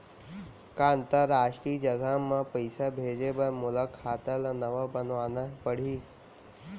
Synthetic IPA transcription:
kaə̃nt̪əɾːaːʃʈɾiːd͡ʒɐɡamãpəjsabʱeːd͡ʒebɐɾmʊləkʰːaːt̪əlanɐʋabənʋaːnəpəɽ̤iː

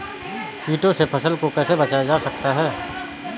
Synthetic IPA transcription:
kiːʈosepʰɐsəlkokɛːsebɐt͡ʃaːjad͡ʒaːsɐk̚t̪aɦɛː

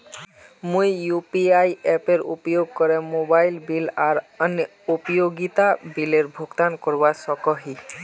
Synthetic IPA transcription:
mojːupiajɛpeɹṵpɔjoɡ̚kɔɹɛmobajlbilaɹən | opɔjoɡit̪abileɹbʱoɡt̪ankoɹbasɔkɔɦi

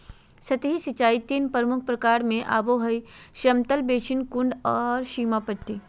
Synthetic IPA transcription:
sɐt̪ɦisit͡ʃaːit̪iːnpɾəmʊk̚ʰpɾɐkaːɾmẽʔa̰ːboːɦɐiʃɾɐmt̪əlbeːʃɪnkʊɳɖɔːɾʃiːmapəʈːiː

